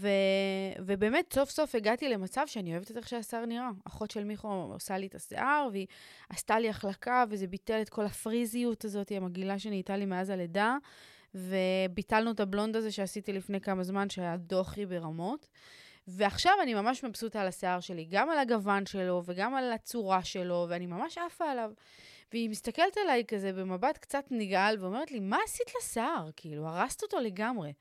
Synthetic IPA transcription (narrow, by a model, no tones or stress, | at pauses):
ve̞ve̞be̞ːme̞tso̞fso̞fe̞ɡatile̞mat͡savʃeanio̞evet̪et̪eχʃeaseaʁniʁaaχo̞tʃe̞lmiχoo̰salietasḛʔaʁviast̪aliaχlakave̞ze̞bite̞let̚ko̞lafʁizijutazo̞tiamaɡilaʃeniːtalime̞azaleda | ve̞bitalnuetablo̞ndaze̞ʃeasitilifne̞jkamazmanʃeajado̞χibe̞ʁamo̞t | veaχʃavanimamaʃmabsut̪aːlaseaʁʃe̞liɡamalaɡavanʃe̞lo̞ve̞ɡamalat͡suʁaʃe̞lo̞veanimamaʃafaːlav | veimist̪ake̞lt̪alajkaze̞be̞mabatkt͡sat̪niɡalveo̞me̞ʁetlimaːsit̪laseaʁkʰiiluaʁast̪oto̞le̞ɡamʁe̞